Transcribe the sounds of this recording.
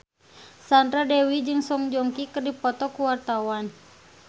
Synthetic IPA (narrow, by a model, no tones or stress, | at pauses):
sand̪ɾadɛwid͡ʒɨŋsɔŋd͡ʒɔŋkikɨrdipɔt̪ɔkuwart̪awan